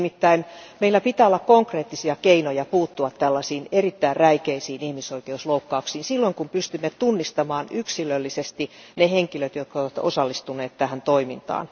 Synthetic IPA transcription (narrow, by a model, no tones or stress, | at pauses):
mit̪ːæinmeilːæpit̪æːolːɑkkoŋkreːt̪ːisiɑkeinojɑpuːt̪ːuɑt̪tælːɑsiːnerit̪ːæirræikeisiːnihmisoikeusloukːɑuksiːnsilːoiŋkumpyst̪ymːet̪unːist̪ɑmɑːnyksilølːisest̪ineheŋkiløt̪jot̪̚koʋɑt̪o̰sɑlːist̪uneːt̪t̪æhænt̪oimint̪ɑ̰ːn